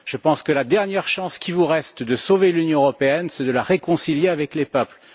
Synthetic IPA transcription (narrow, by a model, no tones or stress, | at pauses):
ʒ̥əpɑ̃skəlad̪ɛʁnjɛʁʃɑ̃skʲʰivuʁɛst̪d̪əsovelynjɔ̃əʁɔpeɛnsɛd̪əlaʁekɔ̃siljeavɛklepœpl